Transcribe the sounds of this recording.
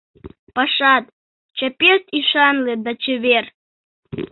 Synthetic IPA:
paʂat̪̚ʼ | t͡ʃʰapʲest̪ʰʼiʂanled̪at͡ʃʰever

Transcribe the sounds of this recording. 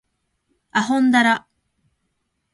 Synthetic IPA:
aɦõnd̪aɾa

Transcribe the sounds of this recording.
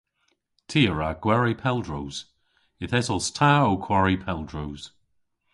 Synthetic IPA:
tʰiːəɹaɡ̥wɛɹipʰɛlˠdɹowz̥ | ɪθɛzɔstʰaowkʰw̥aɹipʰɛlˠdɹoz̥

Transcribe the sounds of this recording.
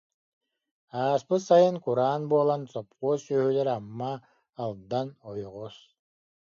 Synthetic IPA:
aːspɯsajɯnkuɾaːnbuɔlˠansɔp̚quːsœɦylɛɾamːaː | lˠd̪anɔjɔʁɔs

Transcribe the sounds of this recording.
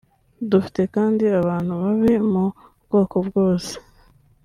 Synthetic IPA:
dufi̥te̞kaːndiaβaːn̥huβaβimu | bɡo̞ːko̞bɡo̞ːse̥

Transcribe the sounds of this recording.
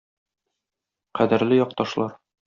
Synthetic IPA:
qæd̪ɘ̆ɾlɘjɒq̚t̪ɒʃlˠɑɾ

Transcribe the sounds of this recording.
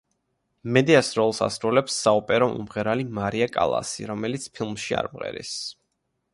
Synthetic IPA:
mɛd̪iasɾɔlˠsa̰sɾulɛpsːaɔpʼɛɾɔmṵmʁɛɾalimaɾiakʼa̰lˠa̰sḭɾɔmɛlit̪sʰpʰilˠmʃia̰ɾmʁɛ̰ɾḭs

